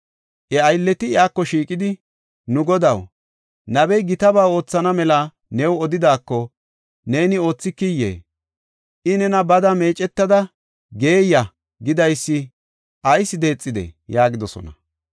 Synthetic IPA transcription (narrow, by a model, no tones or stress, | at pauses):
ʔɛɐjlːɛt̪ɪɪaːkːɔʃiːkʼɪd̪ɪ | nʊɡɔd̪ɐw | nɐbɛjɡɪt̪ɐbaːwo̞ːt͡sːɐnɐmɛlɐ | nɛwɔd̪ɪd̪aːkːɔ | ne̞ːnɪo̞ːt͡sːɪkːɪjːḛː | ʔɪnɛnɐbɐd̪ɐme̞ːt͡ʃʼɛt̪ːɐd̪ɐ | ɡe̞ːjːɐ | ɡɪd̪ɐjsːɪ | ʔɐjsɪd̪e̞ːt͡sʼːɪd̪ḛjaːɡɪd̪ɔsɔ̰nɐ̰